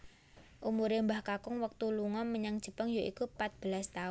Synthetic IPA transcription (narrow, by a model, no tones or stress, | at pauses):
ʔumuɾembahkakʊŋwək̚t̪uluŋɔməɲaŋd̥ʒ̥ə̤pəŋjoʔikupat̪̚b̥əlast̪aʊ